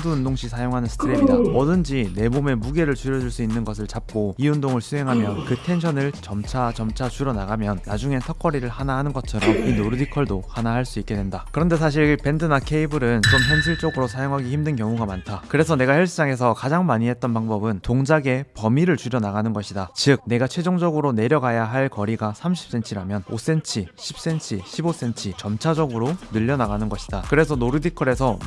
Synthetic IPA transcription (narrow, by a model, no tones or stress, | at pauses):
duundoŋɕʰisʰajoŋɦanɯnsʰɯ̥tʰɯɾemidaʌdɯnd͡ʑine̞bome̞muɡe̞ɾɯɭt͡ɕuɾjʌd͡ʑuɭs͈uinːɯnɡʌs̬ʰɯɭt͡ɕap̚k͈oiundoŋɯɭsʰuɦe̞ŋɦamjʌnkɯtʰe̞nɕʰʌnɯɭt͡ɕʌmt͡ɕʰat͡ɕʌmt͡ɕʰat͡ɕuɾʌnaɡamjʌnːad͡ʑuŋe̞tʰʌk͈ʰʌɾiɾɯɭhanaɦanɯnɡʌt͡ɕʰʌɾʌminoɾudikʰʌɭdohanahaɭs͈uik͈e̞dwe̞ndakɯɾʌnde̞s̬ʰaɕ̬ʰiɭpe̞ndɯnakʰe̞ibɯɾɯnt͡ɕ͈omçjʌnɕʰiɭt͡ɕ͈oɡɯɾosʰajoŋɦaɡiçimdɯnkjʌŋuɡamantʰakɯɾe̞sʰʌne̞ɡahjʌɭs͈ʰɯs͈aŋe̞s̬ʰʌkad͡ʑaŋmaɲiɦe̞t̚t͈ʌnpaŋbʌbɯntoŋd͡ʑaɡe̞pʌmiɾɯɭt͡ɕuɾjʌnaɡanɯnɡʌɕʰidat͡ɕɯk̚ne̞ɡat͡ɕʰwe̞d͡ʑoŋd͡ʑʌɡɯɾone̞ɾjʌɡajaɦaɭkʌɾiɡasʰamɕ̬ʰi̥p̚s͈ʰe̞nt͡ɕʰiɾamjʌno̰s͈e̞nt͡ɕʰiɕʰi̥p̚s͈e̞nt͡ɕʰiɕʰibos͈e̞nt͡ɕʰit͡ɕʌmt͡ɕʰad͡ʑʌɡɯɾonɯʎːʌnaɡanɯnɡʌɕʰi̥d̥akɯɾe̞sʰʌnoɾɯdikʰʌɾe̞sʰʌ